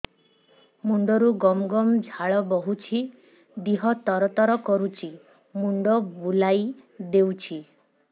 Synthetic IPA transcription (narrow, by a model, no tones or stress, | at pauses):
muɳɖɔɾuɡɔmɔɡɔmd͡ʒʱaɭɔbɔɦut͡ʃʰi | d̪iɦɔt̪ɔɾɔt̪ɔɾɔkɔɾut͡ʃʰi | muɳɖɔbulajd̪ewt͡ʃʰi